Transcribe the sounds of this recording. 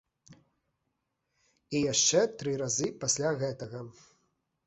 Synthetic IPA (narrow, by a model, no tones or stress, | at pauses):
ijaʂt͡ʂɛt̪ɾɨɾazɨpasʲlʲaɣɛt̪ɐɣɐ